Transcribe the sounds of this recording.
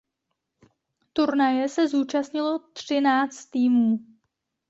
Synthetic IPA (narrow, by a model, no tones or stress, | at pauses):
t̪uɾnajɛsɛzuːt͡ʃast̪ɲɪlot̪r̝̥ɪnaːt͡st̪ːiːmuː